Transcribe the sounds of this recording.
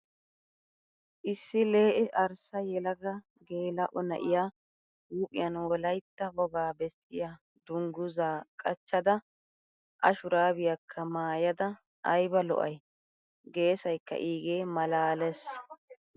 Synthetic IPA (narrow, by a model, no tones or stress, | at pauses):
ʔɪsːɪleːʔɛʔɐɾsɐjɛlɐɡɐ | ɡeːlɐʔɔnɐ̰ʔɪ̰ja | uːpʼɪjɐnwɔlɐjt̪ːɐwɔɡaːbɛsɪja | d̪̥ʊŋɡʊzaːkʼɐt͡ʃːɐd̪ɐ | ʔɐ̰ʃʊɾaːbɪjɐkʰːɐmaːjɐd̪ɐ | ʔɐjbɐlɔ̰ʔɐj | ɡe̞ːsɐjkːɐ̰ʔiːɡeːmɐlaːlɛs